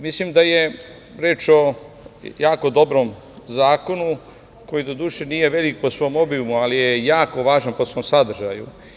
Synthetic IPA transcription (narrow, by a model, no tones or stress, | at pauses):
mislimd̪aje | ɾeːt͡ʃo̞ | jaːko̞d̪o̞bɾom | zaːko̞nu | ko̞jid̪o̞d̪uːʃeniːje̞ʋe̞lik̚po̞sʋo̞mo̞biumualijejaːko̞ʋaːʒanposʋo̞ːmsad̪r̩ʒajṵ